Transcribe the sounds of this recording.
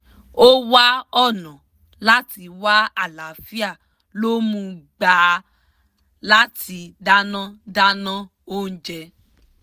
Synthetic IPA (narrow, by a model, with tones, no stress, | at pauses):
o˦wa˦ɔ˦˨nã˨ | la˦ti˧wa˦a˦˨la˨fi˦a˦˨ | lo˦mũ˧ɡ͡baː˨ | la˦tʰi˧da˦nã˦da˦nã˦ | o˦n̩˦d͡ʒɛ˧